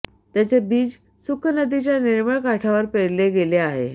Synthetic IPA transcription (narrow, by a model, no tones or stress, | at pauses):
t̪jat͡ɕebiːd͡z | sukʰnəd̪it͡ɕjaniɾməɭkaʈʰaʋəɾpeɽleɡeleaɦḛ